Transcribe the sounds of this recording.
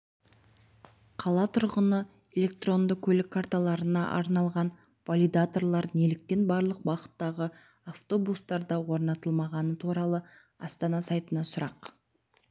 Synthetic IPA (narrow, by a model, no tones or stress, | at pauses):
qʰɑlˠɑt̪ʰʊɾʁənə | e̞lʲe̞k̚t̪ro̞nd̪əkkʲʰːɵlɪkʰːaɾt̪alˠɑɾənɑʔɑ̰ɾnɑlˠʁɑn | polʲid̪at̪o̞rlˠɑɾnelɪk̚t̪e̞nbɑɾlˠəq̚bɑʁə̥t̪ːɑʁə | aft̪o̞bust̪ɑɾd̪ɑwo̞ɾnɑt̪əlˠmɑʁɑnət̪ʰuɾɑlˠə | ɑst̪ɑnɑsɑjt̪ənɑsʊɾɑq